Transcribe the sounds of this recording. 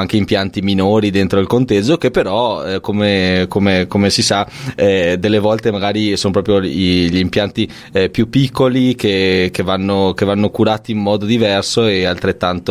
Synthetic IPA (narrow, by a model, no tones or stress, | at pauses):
aŋk̟eimpjant̪iminoːɾid̪ent̪ɾoilkont̪ed͡ʒːok̟epːeɾɔɛkomekomekomesisaɛd̪elːevɔlt̪emaɡaːɾisoːnopɾɔːp̬ɾjoiʎimpjant̪i | pjupːikːolik̟ek̟evanːok̟evːanːokuɾaːt̪iːmmɔːd̪od̪ivɛrsoealt̪ɾet̪ːant̪o